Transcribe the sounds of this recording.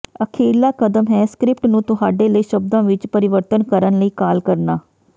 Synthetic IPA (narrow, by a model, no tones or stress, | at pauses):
əkʰeːlaːkəd̪əmɦɛːskɾɪp̚ʈnũːt̪ʊɦaːɖeːləiːʃəb̚d̪ãːʋɪt͡ʃpəɾɪʋəɾt̪ənkəɾənləiːkaːlkəɾnaː